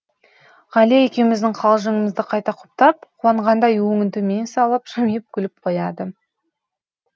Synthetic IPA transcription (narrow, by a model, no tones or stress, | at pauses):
ʁɑleekʲe̞wmɪzd̪ɪŋqʰɑlˠʒəŋəməzd̪ɪqʰɑjt̪ɑqʰʊ̥p̚t̪ɑp̚qʰʊwɑɴʁɑnd̪ɑjwɵŋʲɪnt̪ɪme̞nsɑlˠəpʒɑmijɪp̚kʲʰʏlɪp̚qʰojɑd̪ə